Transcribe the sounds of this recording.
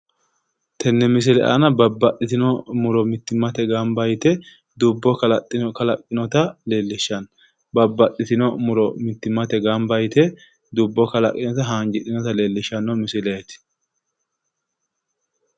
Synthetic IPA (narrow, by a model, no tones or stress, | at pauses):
t̪ʰɛnːɛmɪs̬ɪlɛ̰ʔa̰nɐbɐbːɐɗɪt̪ɪnɔmʊɾɔmɪt̪ːɪmːɐt̪ɛɡambɐjt̪ɛ | d̪ubːɔkɐlɐtʼːɪnɔkɐlɐkʼːɪnɔt̪ɐle̞ːlːɪʃːɐn | bɐbːɐɗɪt̪ɪnɔmʊɾɔmɪt̪ːɪmːɐt̪ɛɡambɐjt̪ɛ | d̪ubːɔkɐlɐ̰kʼːɪnɔt̪ɐɦaːŋɡɪᶑɪnɔt̪ɐleːlːɪʃɐnːɔmɪsɪlɛt̪ɪ̥